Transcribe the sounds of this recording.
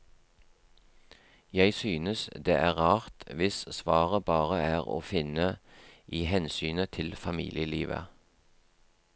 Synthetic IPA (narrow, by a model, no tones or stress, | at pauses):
jæɪsyːnəsd̪ḛːʔæːʁɑːʁt̪ʋɪssʋɑːʁəbɑːʁəæːʁo̰ːfɪnəʔiːhɛnsyːnət̪ʰɪlfɑmḭːlɪəliːʋə̰